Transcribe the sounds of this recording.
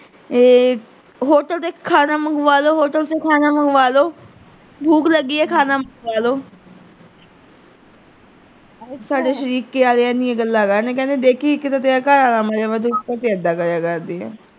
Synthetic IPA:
eː | ɦoːʈəlt̪eːkʰaːnaːməŋɡʋaːloːɦoːʈəlseːkʰaːnaːməŋɡʋaːloː | bʱuːkləɡːiːɛːkʰaːnaːməŋɡʋaːloː | saːɖeːʃəɾiːkːeːaːleːɛ̃ːnĩːẽɡəlːaːkaɾneːkɛ̃nd̪eːd̪eːkʰiːkːɪt̪at̪eaːkaːɾaːlaːmaːɾeːʋɛːt̪̬ut̪et̪eːəd̪ːaːkəɾjaːkəɾd̪eːɛ̰ː

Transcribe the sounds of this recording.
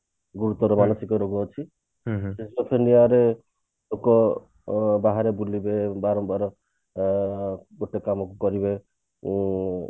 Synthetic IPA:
ɡuɾut̪ɔɾɔmanɔsikɔɾoɡuɔt͡ʃʰi | sesopʰeniaɾe | okɔ | baɦaɾebulibebaɾɔmbaɾɔ | ɡoʈekamɔkukɔɾibe

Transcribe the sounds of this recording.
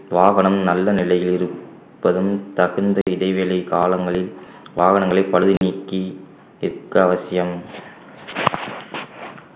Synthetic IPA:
ʋaːɣɐnɐmnɐlːɐnɪlɐjɪlɪɾɯ | pːɐðɯmt̪ɐɣɯnd̪ɐɪðɐɪʋelɐɪkaːlɐŋɡɐɭɪl | ʋaːɣɐnɐŋɡɐɭɐɪpɐɻɯðiniːkːi | ɪɾkːɐɐʋɐsɪjɐm

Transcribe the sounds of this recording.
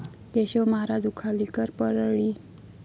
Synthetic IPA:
t̪eɕɔməɦaɾad͡zukʰalikəɾpəɾɭi

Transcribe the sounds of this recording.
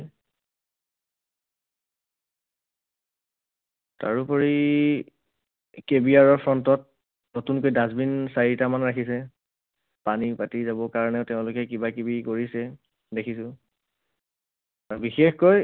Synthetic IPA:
ta̰ɹupɔɹi | kebiaɹɔɹpʰɹɔntɔt̚ | notunkojdazbinsaɹitamanɹakʰisɛ | panipatizabɔkaɹɔnɛʊtɛʊ̃lʊkɛkibakebikoɹisɛ | dekʰisʊ̃ | aɹbixexkoj

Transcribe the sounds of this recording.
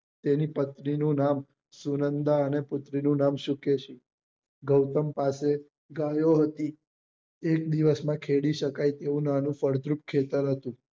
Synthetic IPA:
t̪enipət̪ninũnam | sunənd̪aənepʊt̪ɾinũnamʃukeʃi | ɡəwt̪əmpase | ɡajoɦət̪i | ekd̪iʋəsmãkʰeɽiʃəkajt̪eũnanũfəɽd̪ɾup̚kʰet̪əɾɦət̪ũ

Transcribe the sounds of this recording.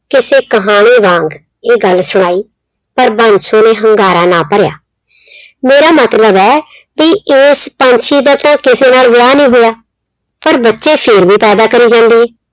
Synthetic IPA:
kɪseːkəɦaːɽ̃iːʋãːŋɡ | eːɡəlsʊɽ̃aːiː | pəɾbə̃nd͡ʒsõːneːɦəŋɡaːɾaːnaːpəɾja̰ː | meːɾaːmət̪ləbɛː | bieːspə̃ɲt͡ʃʰiːd̪aːt̪ãːkɪseːnaːlʋɪjaːnĩːɦoːjaː | pəɾbətːʃeːpʰɪɾbiːpɛːd̪aːkəɾiːd͡ʒãːnd̪iːɛː

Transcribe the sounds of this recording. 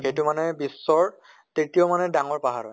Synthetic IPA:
kejtʊmanɛbisːɔɹ | titiomanɛdaŋɔɹpaɦaɹɔ̰

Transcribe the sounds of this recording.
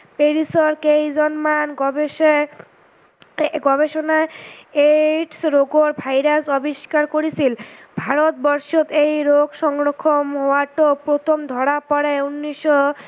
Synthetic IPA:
peɾisɔɾkejd͡ʑɔnmanɡɔbe | ɡɔbeʃonaeʈsɾoɡoɾbʱajɾasɔbiʃkaɾkoɾisʰilbʱaɾot̪̚bɔɾʃot̪ejɾoɡʃɔŋɡɾokʰːomɦowaʈopɾot̪ʰomd̪ʱɔɽapɔɾeunːiʃɔ

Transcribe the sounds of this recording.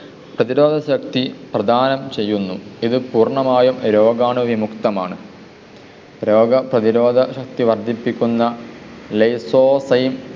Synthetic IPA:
prɐðiɾo̞ːd̪ʱɐɕɐkt̪iprɐd̪ʱaːnɐmt͡ɕe̞jːunːuiðɨpuːrɳɐmaːjumɾo̞ːɡaːɳɨʋimukt̪ɐma̰ːɳɨ | ɾo̞ːɡɐprɐðiɾo̞ːd̪ʱɐɕɐk̚t̪iʋɐrd̪ʱipːikʲːunːɐ | lejsoːsɐjim

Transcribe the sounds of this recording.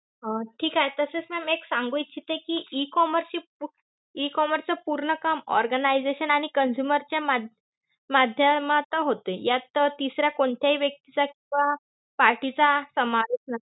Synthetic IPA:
ɦəʈʰiːkaɦet̪əset͡smɛmeksãŋɡujt͡ɕʰit̪ekiʔikɔməɾsi | ikɔməɾt͡səpuɾɳəkəmɔ̰ɾɡənaid͡zeɕənaɽ̃ikənsjuməɾt͡ɕamad̪ | mad̪ʱjəmat̪əɦot̪ejat̪t̪isɾjakoɳt̪ʰjaɦiʋjək̚t̪it͡sakĩw̃ʋa | paɾʈit͡sasəmaɾisnə

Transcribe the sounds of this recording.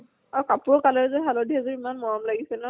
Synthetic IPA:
aɹukapʊɹɔkalɛɹɛzɔɦalɔdʱiazɔimanmɔɹɔmlaɡisɛlna

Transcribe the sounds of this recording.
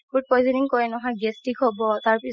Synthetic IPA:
ɡut̚pɔjzɛniŋkɔɹɛnɔɦɔ̃jɡɛstikɦobɔtaɹpi

